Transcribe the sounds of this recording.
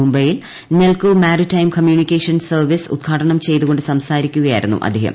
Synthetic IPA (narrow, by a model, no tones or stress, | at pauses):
umbɐjil | nelkumaːɾitːɐjmkɐmjuːnikʲːeːʂɐnsɐrʋisṵd̪̚ɡʰʱaːʈɐɳɐmt͡ɕe̞jt̪uɣo̞ɳɖɨsɐmsaːɾikʲːuɣɐjaːjɾunːṵʔɐ̰d̪ʱːiɦɐ̰m